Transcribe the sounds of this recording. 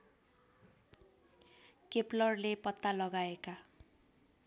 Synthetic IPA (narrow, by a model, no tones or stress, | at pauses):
keplʌrlepʌt̪ːalʌɡaeka